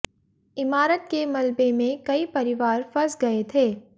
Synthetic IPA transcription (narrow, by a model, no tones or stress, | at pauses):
ɪmaːɾət̪̚kemɐlbemẽkɐipɐɾɪʋaːɾfɐɾsɡɐet̪ʰeː